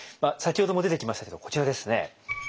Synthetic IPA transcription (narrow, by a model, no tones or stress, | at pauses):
masak̬ʲiho̞d̪o̞moe̞t̪e̞kʲimasɕt̪ake̞d̪o̞ko̥t͡ɕiɾad̪e̞sɨne̞̰